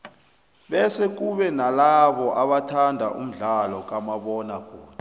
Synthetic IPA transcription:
ɓɛsɛk̬uɓɛnalaɓɔʔaɓatʰandʱaʔṵm̩ɮalɔk̬ʼamaɓɔnakʰʼoːna

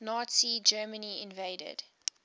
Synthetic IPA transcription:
nɔtsid͡ʒɜːməniɪ̃nveɪdə̰d̥

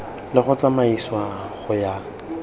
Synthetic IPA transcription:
lɪχʊt͡samaiswaχʊja

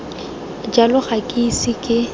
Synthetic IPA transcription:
d͡ʒalʊχakʼisɪkʼɪ

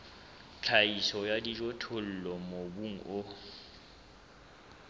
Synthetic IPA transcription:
t͡ɬʰaisɔjadid͡ʒotʰol̩lɔmobuŋ̩ʔʊ

